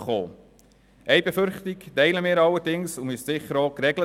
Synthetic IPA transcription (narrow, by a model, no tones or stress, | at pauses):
χo̰ː | ʔɛɪbefʏɾχtiktɛɪləmɪːɾɑlːəɾdɪŋsʊmyssɪχəɾɔːkɾɛɡlə